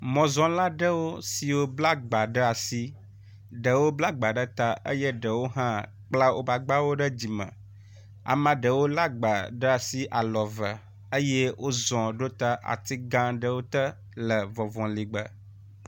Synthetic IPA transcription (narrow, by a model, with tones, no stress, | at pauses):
mɔ̃˨zɔ̃˦la˦ɖə˦wo˦si˨wo˦bla˦ɡ͡ba˨ɖə˦a˨si˦ | ɖə˨wo˦bla˦ɡ͡ba˨ɖə˦t̪a˦ʔə̰˦jə˦ɖə˨wo˦ɦã˦ | k͡pla˦wʔo̰˦ba˨ɡ͡ba˦wo˦ɖə˦d͡ʑi˨mə̰̃˨ | a̰˨mã˦ɖə˨wo˦la˦ɡ͡ba˨ɖə˦a˨si˦ʔa˨lɔ˨və˨ | ə˦jɛ˦wʔo˦zɔ̃˨ɖo˦t̪a˦ʔa̰˨t̪i˦ɡã˦ɖə˦wo˦t̪ə˦ | lə˨vɔ̃˨vɔ̃˨li˨ɡ͡bə̰˨